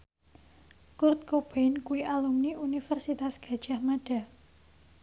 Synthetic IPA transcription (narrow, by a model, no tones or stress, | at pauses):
kʊrt̪̚kob̥ankuiʔalumniunifɛrsit̪asɡ̥a̤d̥ʒ̥a̤hmaɖ̥a̤